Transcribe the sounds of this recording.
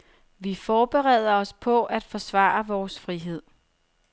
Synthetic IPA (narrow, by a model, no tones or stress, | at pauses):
ʋifɒːb̥eʁɛ̰ːð̞ˠɐɒ̽spʰɒ̽ʔæd̥fɒ̽sʋɑ̰̈ːɐʋɒːsfʁiɦe̝ð̞̰ˠ